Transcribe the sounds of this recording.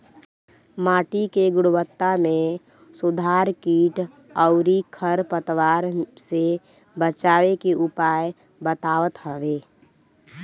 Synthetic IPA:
maːʈikeɡʊɽʊwət̪ːamẽ | sʊd̪ʱaːɾkiːʈ | əʊɾikʰəɾpət̪waːɾse | bət͡ʃaːʋekeʔʊpaːj | bət̪aːʋət̪ɦəʋeː

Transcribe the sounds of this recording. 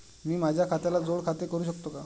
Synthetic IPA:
miːmad͡ʑʱjakʰat̪alad͡zoɽkʰat̪ekəɾuːɕ̬əkt̪oka

